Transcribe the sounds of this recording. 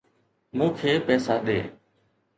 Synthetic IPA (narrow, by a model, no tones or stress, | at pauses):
mũːkʰeːpɛːsaːɗ̪eː